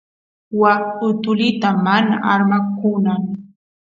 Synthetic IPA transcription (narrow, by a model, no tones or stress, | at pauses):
wakʊt̪ʊlɪt̪amana̰ʔaɾmakʊnaŋ